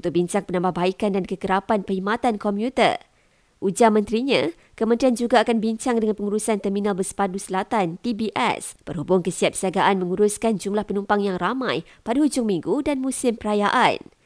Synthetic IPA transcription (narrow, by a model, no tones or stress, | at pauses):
unt̪ʊk̚biɲt͡ʃaŋpənãmbahbaikandankəkəɾapanpəhimat̪ankɔmpjut̪ə̰r | ʔud͡ʒamə̃nt̪ɾiɲã | kəmənt̪ɾiand͡ʒuɡaːkanbiɲt͡ʃaŋdəŋanpəŋuɾusant̪ɛrmĩnalbəsə̥padusəlat̪ant̪ibiʔɛ̰spərhubʊŋkəsiat̪̚siaɡaʔanmə̃ŋuɾʊskand͡ʒumlahpənũmpaŋjaŋramãj | padaɦud͡ʒʊŋmĩŋɡudanmũsɪmpəɾajaʔa̰n